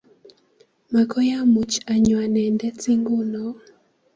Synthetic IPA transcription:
ma˨kʰɔ˦ja˦mu˨t͡ʃa˨ɲwa˨nɛ˨ndɛ˦t͡si˦ŋɡo˦nɔ˨˦

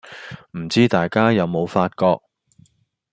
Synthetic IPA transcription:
m̩˨˩t͡siː˥t̪aː˨jkaː˥jɐ˨˧wmo˨˧wfaː˧t̚kɔː˧k̚

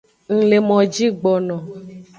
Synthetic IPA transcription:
ŋ̩̃˨le˨mɔ̃˨d͡ʒi˦ɡ͡bɔ˨nɔ̃˨

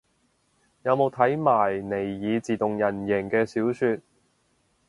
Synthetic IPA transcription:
jɐ˨˧wmo˨˧wt̪ʰɐ˨˥jmaː˨˩jne˨˩jːiː˨˧t͡siː˨˩t̪ʊ˨ŋjɐ˨˩njɛ˨˩ŋkɛː˧siː˨˥wsyː˧t̚

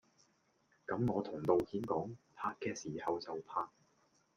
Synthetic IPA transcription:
kɐ˨˥mŋɔː˨˧t̪ʰʊ˨˩ŋt̪o˨wkiː˨˥nkɔː˨˥ŋpʰaː˧kkɛː˧siː˨˩hɐ˨wt͡sɐ˨wpʰaː˧k̚

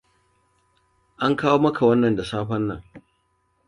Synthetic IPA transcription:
ʔa˦ŋkaː˦woː˦mɐ˦kʰa˨wɐ˦nːɐ˨nda˨saː˦ɸɐ˦nːɐ̰˨ŋ

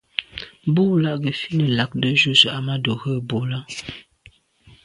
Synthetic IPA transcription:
bu˦˨la˦˨ɡə˨fi˦nə˨la˨k̚də˦ʒu˦zə˨a˨ma˦do˨ɣə˦˨bo˨la˦

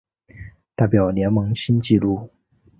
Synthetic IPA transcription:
t̪a˥˩ɪpjɑ˨˩ʊnjɛ˧˥nmɤ˧˥ŋɕi˥nt͡ɕi˥˧lu˥˩

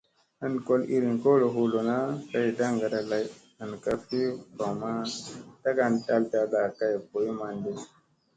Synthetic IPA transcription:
a˨nko˦li˦ɾi˨nko˦lo˨ɦu˧lo˨na˦ka˦jda˦ŋɡa˨da˧la˦j | a˨nka˧fi˦ba˨ma˦ta˦ɡa˧nta˧lta˧la˨ka˦jbo˨˦ma˨ŋɡi˦

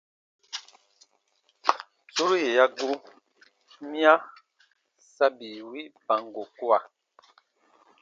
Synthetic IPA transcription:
so˦ɾje˨ja˦ɡu˦ | mja˦ | sa˦bi˨wi˦ʔpa˨ŋ˨ɡo˨ku˦a˨

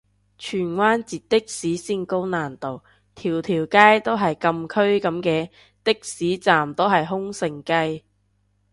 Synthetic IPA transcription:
t͡ʃʰyː˨˩nwaː˥nt͡siː˨t̚t̪ɪ˥k̚siː˨˥siː˥nko˥wnaː˨˩nt̪o˨w | t̪ʰiː˨˩wt̪ʰiː˨˩wkaː˥jt̪o˥wɦɐ˨jkɐ˧mkʰɵ˥ɥkɐ˨˥mkɛː˧ | t̪ɪ˥k̚siː˨˥t͡saː˨mt̪o˥wɦɐ˨jɦʊ˥ŋsɪ˨˧ŋkɐ˥j

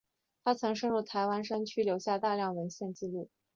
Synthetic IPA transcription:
t̪ʰa˥t͡sʰɤ˧˥ŋʂɤ˥ŋɻu˥˩t̪ʰa˧˥ɪwa˥nʂə˥ŋt͡ɕʰy˥ljo˧˥ʊɕja˥˧t̪a˥˧ljɑ˥˩ŋwə˧˥nɕjɛ˥˧nt͡ɕi˥˧lu˥˩

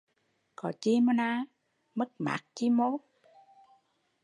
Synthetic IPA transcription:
kɔ˨˩t͡ɕi˧mo˧naː˧ | mə˦˥k̚ma̰ː˨˦k̚t͡ɕi˧˦mo˧˦

